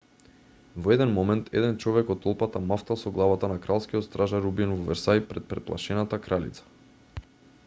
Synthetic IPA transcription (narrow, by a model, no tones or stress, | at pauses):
vɔɛd̪ɛnmɔmɛnt̪ʰɛ̰d̪ɛnt͡ʃɔvɛkɔt̪ɔlˠpat̪amaft̪alˠsɔɡlˠavat̪anakɾalˠskijɔt̪st̪ɾaʒaɾubinvɔvɛɾsajpɾɛt̪̚pɾɛt̪plˠa̰ʃɛnat̪akɾalḭt̪sḁ